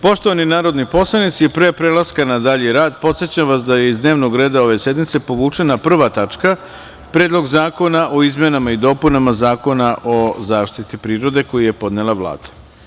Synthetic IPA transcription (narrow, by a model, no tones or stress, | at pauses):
po̞ʃt̪oʋaninaːɾo̞d̪nipo̞slˠanit̪sipɾepɾelˠaskanad̪aʎiɾaːd̪po̞t̪sje̞t͡ɕamʋasd̪aje̞izd̪ne̞ːʋno̞ɡɾe̞ːd̪ao̞ʋe̞se̞d̪mit̪se̞po̞ʋuːt͡ʂe̞napr̩ʋat̪at͡ʂka | pɾeːd̪lˠo̞ɡzaːko̞naʔo̞izme̞namaid̪o̞ːpunamazaːko̞naʔozaːʃt̪it̪ipɾiːɾo̞d̪e̞ko̞jije̞po̞d̪nelˠaʋlˠa̰ːd̪̥ḁ